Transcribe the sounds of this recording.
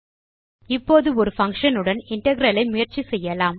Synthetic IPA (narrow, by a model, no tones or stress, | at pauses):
ɪpːoːðɯɔɾɯfɐŋʂɐnɯɽɐnɪɳʈɐɣɪɾɐlɐɪmʊjɐɾt͡ʃisɛjːɐlaːm